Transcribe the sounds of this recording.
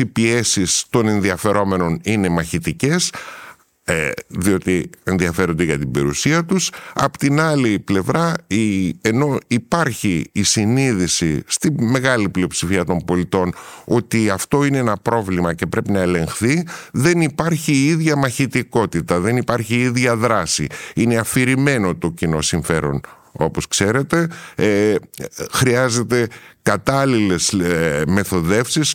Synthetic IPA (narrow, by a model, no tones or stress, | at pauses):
ipie̞sist̪o̞ne̞nðiɐfe̞ɾʔo̞me̞no̞nine̞mɐçit̪ice̞s | ðio̞t̪ie̞nðiɐfe̞ɾo̞nd̪eʝɐt̪ibe̞̰ɾṵsiɐt̪usɐ̰po̥t̪inɐliple̞vɾɐie̞no̞ipɐɾçiːsiniðisḭst̪iːe̞ɣɐliplio̞psifiɐt̪o̞mbo̞lit̪o̞no̞t̪iɐft̪o̞ineenɐpɾo̞vlimɐce̞pɾe̞pinɐele̞ŋxθiðe̞nipɐɾçiiðʝɐmɐçit̪iko̞t̪it̪ɐðe̞nipɐɾçiiðʝɐðɾɐsḭine̞ɐfiɾime̞no̞t̪o̞cino̞siɱfe̞̰ɾo̞̰n | o̞̰po̞skse̞ɾe̞t̪e̞ | xɾiɐze̞t̪e̞kɐt̪ɐlile̞sme̞θo̞ðe̞fsis